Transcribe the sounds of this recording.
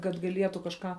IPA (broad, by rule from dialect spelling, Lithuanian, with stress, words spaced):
kɐt ɡɐˈlʲiɛtʊ kɐʃˈkɑː